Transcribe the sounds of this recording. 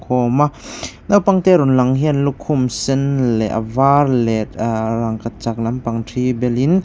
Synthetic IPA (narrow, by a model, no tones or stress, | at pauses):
kʰɔmanawpaŋt̪ɛɾunlɐŋɦɛnlukʰːumsɛnlɛʔa̰varlɛtɾaŋkat͡ʃak̚lɐmpaŋtʰibɛlin